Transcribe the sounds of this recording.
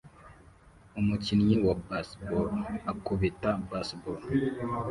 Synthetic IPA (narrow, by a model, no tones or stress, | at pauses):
umutinjiwabasbɔakuβitabasbɔ